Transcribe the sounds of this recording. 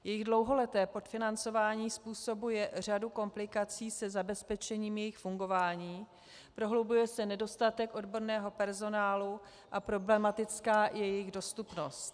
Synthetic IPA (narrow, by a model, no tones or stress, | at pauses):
jɛjɪɣdlo̞wɦo̞lɛt̪ɛːpo̞t̪fɪnant͡so̞vaːɲiːspuːso̞bujɛr̝aduko̞mplɪkat͡siːsɛzabɛspɛt͡ʃɛɲiːmjɛjɪxfuŋɡo̞vaːɲiː | pɾo̞ɦlowbujɛsɛnɛdo̞st̪at̪ɛkʔo̞dbo̞ɾnɛːɦo̞pɛɾzo̞naːlu | ʔapɾo̞blɛmat̪ɪt͡skaːjɛjɪɣdo̞st̪upno̞st̪